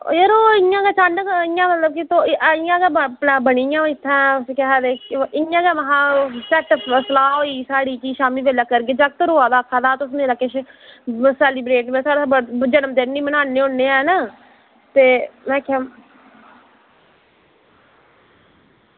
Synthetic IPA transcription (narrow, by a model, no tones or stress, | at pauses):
jəɾoːɪjãːɡɛːt͡ʃãːnɖkɪjãːmət̪ləb̚kit̪oʔɪjãːɡɛːpaːbəɽ̃iːjãːɪt̪ʰːãːʊsekɛɦɛːd̪eːɪãːɡɛːməɦãːsɛʈpəslaːɦoːiːsaːɽiːt͡ʃiːʃaːmiːʋeːlaːkəɾɡeːd͡ʒak̚t̪əɾoːaːd̪aːəkʰːaːd̪aːt̪ʊsmeːɾaːkeʃ | sɛːlɪbɾeːʈbeːsaːɽabəd͡ʒənəmd̪eːnːiːbənaːneːõneːɛːnaː | t̪eːmɛ̃ːkʰjãː